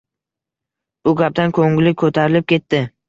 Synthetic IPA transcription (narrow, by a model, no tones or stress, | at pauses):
b̥ʊɡʲap̚d̪ankʰɵŋlɪkʰɵt̪ʰaɾɪlɪp̚kʲe̞t̪ːɪ